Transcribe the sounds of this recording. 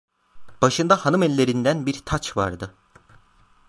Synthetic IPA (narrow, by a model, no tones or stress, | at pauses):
b̥aʃɯnd̪ahanɯmɛlʲːeɾind̪ænbiɾt̪ʰat͡ʃva̰ɾd̪ɯ